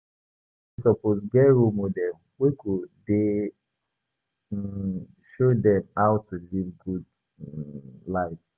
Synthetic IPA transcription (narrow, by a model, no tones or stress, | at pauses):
isɔposɡɛɹomodɛm | wekʰude | ʃodɛ̃maʊtulivɡud | laɪf